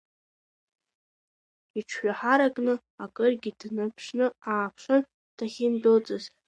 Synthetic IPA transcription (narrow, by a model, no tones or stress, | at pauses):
iʈ͡ʂʷʰħʷᶣaħaɾakʼnɨ | akʼɨrɡʲidnɨpʰʂnɨaːpʷʰʂan | d̥ʰaχʲɪndot͡sʼɨz